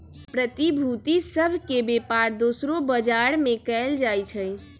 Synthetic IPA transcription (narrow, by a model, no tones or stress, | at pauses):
pɾət̪ibʱut̪isəbʱkebepaɾd̪osɾobəd͡ʒaɽmẽkɛld͡ʒajt͡ʃʰəj